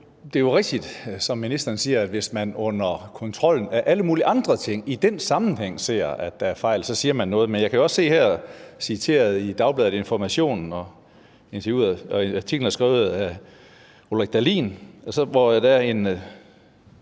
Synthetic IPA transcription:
d̥e̝jo̝ʁɛɡ̥̚d̥id̥sɒ̽mːinisd̥ɐɐnsiːɐæd̥ʋe̝smænɔ̽n̰ɐkʰɒ̽nt͡sʰʁɒ̽l̰n̩æɐʔæləmuːliʔɑ̈nd̥ʁɐt͡sʰe̝ŋ̰id̥ensɑ̈mn̩heŋ̰se̝̰ːɐæd̥ææɐfɑ̈ɪ̰lsɒ̽siːɐmænːɔ̽ːð̞̩ˠmenjɑɪkʰæjoɒ̽sse̝̰ːhæɐ̰ɒsit͡sʰe̝̰ːɐðˠid̥ɑ̈ʊb̥lɛːðˠe̝nfɒmæɕo̝̰ːnn̩ɒ̽ | e̝nt͡sʰɐjuð̰ˠɐɒɑt͡sʰiɡ̥ln̩æɐsɡ̥ʁɛ̰ːʊð̩ˠæ | olʁɛɡ̥d̥ælḭːnɒsɒ̽ʋɒjd̥æɐe̝n

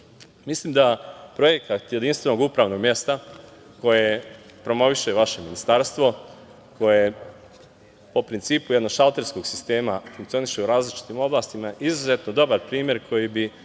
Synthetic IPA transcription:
mislimd̪apɾo̞jekat̪je̞d̪inst̪ʋe̞no̞ɡupɾaːʋno̞ɡmje̞st̪a | ko̞jepɾo̞mo̞ʋiʃeʋaʃe̞minist̪aːɾst̪ʋo̞ | ko̞je | po̞pɾint̪siːpuje̞d̪noɡʃalˠt̪e̞ɾsko̞ɡsist̪e̞ːmafuŋkt̪sio̞niʃeuɾaːzlit͡ʃi̥t̪imo̞blˠaːst̪imaʔizuze̞t̪nod̪o̞baɾpɾiːmje̞ɾkʰo̞jibi

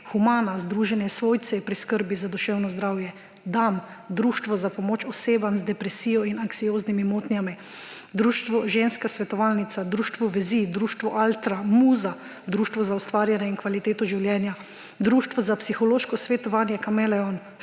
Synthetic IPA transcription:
xumaːnazd̪ɾuːʒɛnjɛsʋoːjt̪sɛpɾiskəɾbizad̪ɔʃɛːwnɔzd̪ɾaːwjɛ | d̪am | d̪ɾuːʃt̪ʋɔzapɔmoːt͡ʃɔseːbanzd̪ɛpɾɛsiːjɔinaŋksijoːznimimoːt̪njami | d̪ɾuːʃt̪ʋɔʒeːnskasʋɛt̪ɔʋalnit̪sad̪ɾuːʃt̪ʋɔʋɛzid̪ɾuːʃt̪ʋɔʔalt̪ɾamuːza | d̪ɾuːʃt̪ʋɔzaust̪ʋaːɾjanjɛinkʋalit̪eːt̪ɔʒiwljɛːnja | d̪ɾuːʃt̪ʋɔzapsixɔloːʃkɔsʋet̪ɔʋaːnjɛkamɛlɛɔn

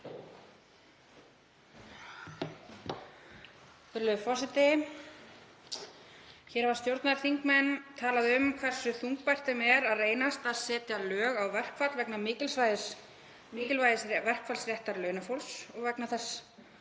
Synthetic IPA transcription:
θʏɾlʏfɔsɪt̪ɪ | çɛːɾvaɾ̥st̪jowɾt̪naðɾ̥θiŋkmɛnːt̪ʰaːlaðʏmkʰvɛr̥sʏθuŋk̚pajr̥t̪ʏmɛɾaðreːjnast̪aðsɛːt̪jalœːɣawvɛr̥kfat̪lvɛknamɪːcɪlsvajðɪs | mɪːcɪlvajðɪsvɛr̥kfalsrjɛht̪aɾlœːɥnafowlsɔɣvɛknaθɛs

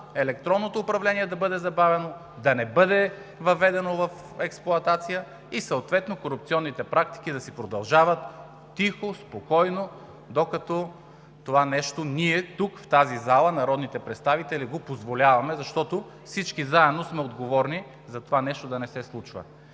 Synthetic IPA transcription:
ɛlɛkt̪ɾɔnːot̪oːpɾɐvlɛniɛd̪ɐbɤd̪ɛzɐbavɛno | d̪ɐnɛbɤd̪ɛ | vɐvɛd̪ɛnovɐf | ɛksplˠʊɐt̪at̪sijə | isɐot̪vɛt̪nokoɾupt̪siɔnːit̪ɛpɾak̚t̪i̥kid̪ɐsipɾod̪ɐlˠʒavɐt̪ː | ixospokɔjno | d̪okɐt̪ɔ | t̪ovanɛʃt̪oniɛt̪ukft̪azizalˠɐnɐɾɔd̪nit̪ɛpɾɛt̪st̪avit̪ɛliɡopozvolʲavɐmɛzɐʃt̪ɔt̪o | fsit͡ʃkizaɛd̪nosmɛod̪ɡovɔɾni | zɐt̪ovanɛʃt̪od̪ɐnɛsɛslˠut͡ʃvɐ̰

